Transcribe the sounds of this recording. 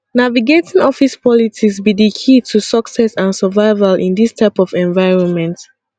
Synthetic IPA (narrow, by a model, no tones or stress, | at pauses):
naviɡetĩŋɔfispʰɔlitʰiksbidikʰitʰusʌksɛsãnsəvaɪvalʔḭ̃ndistʰaɪpɔvɛ̃ɱvaɪɹɔ̃nmɛ̃nt